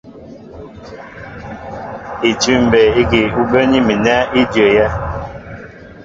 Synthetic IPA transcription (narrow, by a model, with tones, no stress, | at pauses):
i˨tʉ˦m˨bɛ˨i˦ki˨u˦bə˦ni˦mi˨nɛ˦i˦djə˨jɛ˦